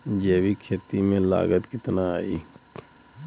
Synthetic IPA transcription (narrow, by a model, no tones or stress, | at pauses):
d͡ʒeːwikʰeːt̪imẽla̰ːɡət̪kɪt̪naaːḭː